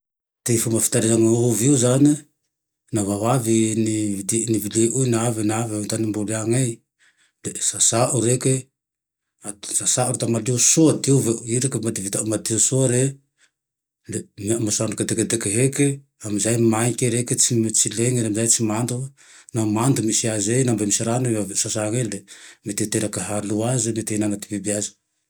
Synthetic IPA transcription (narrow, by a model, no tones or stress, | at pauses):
tejfumafi̥taɾezaŋauviuzane | naβaβavinidnivilieʔujnaβenavemtanimboliaŋej | lesasaʔuɾeke | asasaoɾetamadiosodioveuiɾekemadivitaumadiosoɾe | lememasankedekedekeɦeke | amzajmajkeɾeket͡ʃimet͡ʃileŋeɾemzajt͡ʃimanto | namantumisiazejnambamsaɾaneasasaŋeldemeteteɾakeɦaluazemetenamati̥pibiaz